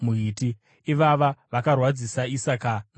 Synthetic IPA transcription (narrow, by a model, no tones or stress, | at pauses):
muɦiti | iʋaʋaʋakarwad͡zisaisakana